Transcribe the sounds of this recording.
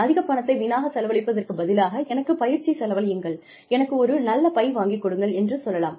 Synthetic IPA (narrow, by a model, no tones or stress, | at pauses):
ɐðɪɣɐpːɐɳɐt̪ːɐɪʋɪnaːɣɐsɛlɐʋɐɭɪpːɐðɐrkɯbɐðɪlaːɣɐʔɛnɐkːɯpɐjɪɾt͡ʃisɛlɐʋɐlɪjɯŋɡɐɭ | ɛnɐkːɯɔɾɯnɐlːɐpɐɪʋaːŋɡɪkːɔɽɯŋɡɐɭɛndrɯsɔlːɐlaːm